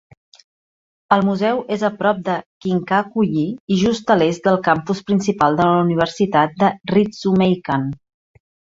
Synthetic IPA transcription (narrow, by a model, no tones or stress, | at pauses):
əlˠmuzɛwʔezəpɾɔp̚d̪əkiŋkakuʎiiʒust̪əlezd̪əlˠkampuspɾinsipalˠd̪ələuniβ̞əɾsit̪at̪̚d̪ərizumejkan